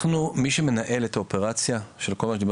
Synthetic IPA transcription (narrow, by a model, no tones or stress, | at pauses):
numiʃe̞me̞naʔe̞le̞t̪ʰaope̞ʁat͡sjaʃe̞lko̞lmaʃd̪ib